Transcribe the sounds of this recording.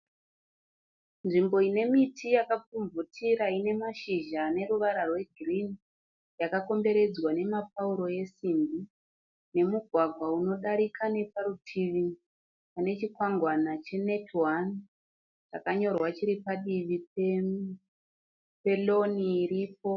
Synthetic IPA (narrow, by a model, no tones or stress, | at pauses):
nʐimbo̞ine̞mitʰijakap͡fuɱvutʰiɾaine̞maʃiʒane̞ɾuʋaɾarwe̞ɡʱirini | jakako̞mbe̞ɾe̞d͡zwane̞mapauɾo̞je̞simbi | ne̞muɡʱwaɡʱwauno̞ɗaɾikʰane̞paɾutʰiʋi | pane̞t͡ʃikwaŋɡwanat͡ʃe̞ne̞tʰwan | t͡ʃakaɲo̞rwat͡ʃiɾipaɗiʋipe | pe̞lo̞niːrip̚o̞